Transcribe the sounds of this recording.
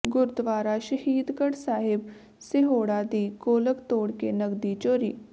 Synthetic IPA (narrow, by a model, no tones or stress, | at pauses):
ɡʊɾd̪ʋaːɾaːʃəɦiːd̪kəɽsaːɦɪb | sɪɦoːɽaːd̪iːkoːləkt̪oːɽkeːnəɡd̪iːt͡ʃoːɾḭː